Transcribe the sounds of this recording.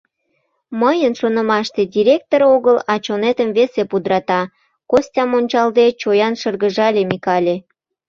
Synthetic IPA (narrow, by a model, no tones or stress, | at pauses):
məjənʃonə̆mɑʃt̪edʲiɾʲek̚t̪oɾoɣəlɑt͡ɕonet̪əmvesepud̪ɾɑt̪ɑ | kosʲtʲɑmonʲt͡ɕɑld̪et͡ɕojɑnʃərɣəʒɑlʲemikɑlʲe